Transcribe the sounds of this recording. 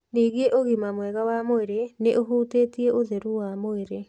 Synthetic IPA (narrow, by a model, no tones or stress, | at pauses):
niːɣeʔoɣimamwɛɣawamoeɾeneʔoɦuːteːtieʔoðeɾuwamoeɾe